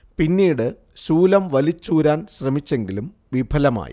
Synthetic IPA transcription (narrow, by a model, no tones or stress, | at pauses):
pinːiːɽɨ | suːlɐmʋɐlit͡ɕːuːɾaːnɕrɐmit͡ɕːe̞ŋɡilum | ʋibʱɐlɐma̰ːjḭ